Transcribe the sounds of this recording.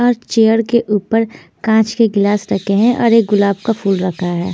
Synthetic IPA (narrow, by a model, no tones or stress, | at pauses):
ɔːɾt͡ʃeːəɾkeʔuːpəɾ | kãːt͡ʃkeɡɪlaːsɾɐkeɦɛ̃ʔɔ̰ːɾeːk̚ɡʊlaːbkafuːlɾɐkʰaɦɛː